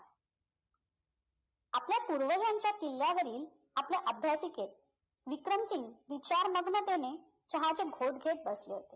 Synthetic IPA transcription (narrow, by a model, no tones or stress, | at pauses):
apljapuɾʋəd͡ʑənt͡ɕjakilːjaʋəɾiːl | apljaʔəbʱjasiket̪̚ | ʋikɾəmsiŋɡʋit͡ɕaɾməɡnət̪ene | t͡ɕəɦat͡ɕeɡʱoɽɡʱeʈ̪̚bəsleɦot̪e̥